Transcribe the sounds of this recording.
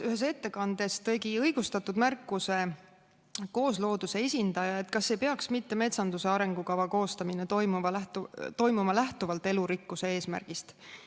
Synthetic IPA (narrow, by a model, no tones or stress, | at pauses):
yɦe̞s̬e̞t̪ːe̞kɑnd̪̥e̞st̪ɤ̞jɡ̥iɤjɡ̥ust̪ɑt̪ːˑud̪̥mærkːˑuse̞ | ko̞ːslo̞ːd̪use̞e̞sʲind̪̥ɑjɑe̞t̪ˑkɑsːe̞jpe̞ɑksmit̪ːe̞me̞t̪sɑnd̪use̞ɑɾe̞ŋɡ̥ukɑvɑko̞ːst̪ɑminet̪ojmuvɑlæht̪t̪o̞jmumɑlæht̪uvɑlt̪ːˑe̞luɾikːuse̞eːsmæ̰rɡ̥ist̪